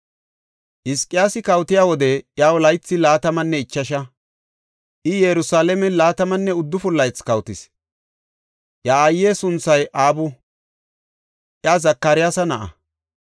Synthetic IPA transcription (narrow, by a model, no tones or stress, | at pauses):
ʔɪskʼɪjaːsɪkɐwt̪ɪjaːwɔd̪ɛʔjaːwɔlɐjt͡sːɪlaːt̪ɐmɐnːɛɪt͡ʃːɐʃ̬ɐ | ʔɪjɛɾʊsaːlɛmɛlaːt̪ɐmɐnːɛʊd̪ːʊfʊlːɐjt͡skɐwt̪ɪs | ʔjaːjːeːsʊnt͡sːɐjʔaːbʊ | ʔjazɐkːɐɾɪjaːsɐnɐʔɐ̰